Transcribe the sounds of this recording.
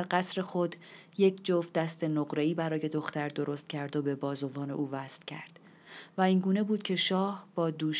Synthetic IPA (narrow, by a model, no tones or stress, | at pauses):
ɾɢæsɾe̞xo̞d̪je̞cʰd͡ʒofd̪æst̪e̞noɣɾe̞iːbæɾɒːje̞d̪o̞xt̪æɾd̪o̞ɾo̞st̪̚cʲʰæɾd̪obe̞bɒːzo̞vɒːne̞̰ʔuːvæst̪cʲʰæ̰ɾd̪̥ | væiːŋɡuːne̞buːd̪̚cʲʰe̞ʃɒːhb̥ɒːd̪uːʃ